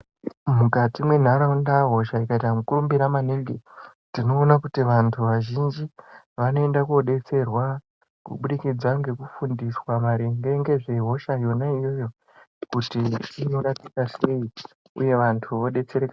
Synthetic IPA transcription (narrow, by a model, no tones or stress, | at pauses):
mukatimwe̞n̤aɾaundaɦo̞ʃaikaitamukurumbiɾamaneɡe | tino̞ːnakutiʋantʰuʋaʒind͡ʒi | ʋano̞e̞ndakoɗe̞t͡se̞rwa | kṵɓuɗikid͡zaŋɡe̞kufundiswamaɾeŋɡeŋɡe̞ʐe̞ɦo̞ʃajo̞naijo̞jo̞ | kutiino̞ɾatikase̞i | ṵje̞ʋantʰuʋo̞ɗe̞t͡se̞ɾeka